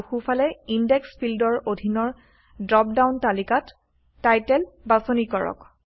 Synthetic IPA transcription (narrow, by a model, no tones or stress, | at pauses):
xufalɛindɛkspʰildɔɹodʱinɔɹ | dɹɔp̚dawntalikatː | ajtɛlbasonikɔɹɔ̰k